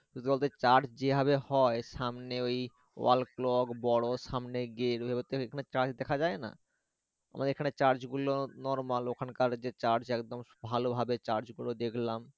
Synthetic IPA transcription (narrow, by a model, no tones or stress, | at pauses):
ut̪bolt̪et͡ɕaɾd͡ʑd͡ʑebʱaβehɔeʃamneoj | wa̰lklɔɡbɔɽoʃamneɡeɾɦebet̪oekʰanet͡ɕaɾd͡ʑd̪ɛkʰad͡ʑaena̰ | a̰mʔad̪eɾekʰaneɾt͡ɕaɾd͡ʑɡulonɔɾmalokʰankaɾd͡ʑet͡ɕaɾd͡ʑɛkd̪ombʱalobʱabet͡ɕaɾd͡ʑɡulod̪ekʰlam